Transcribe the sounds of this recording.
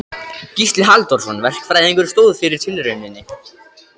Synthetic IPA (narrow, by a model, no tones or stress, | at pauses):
cist̪lɪɦalt̪ɔɾ̥sɔnvɛr̥kfɾaðeŋkʏɾ̥st̪oːwðfɪɾɪɾ̥t̪ʰɪlɾʏɥnɪnːɪ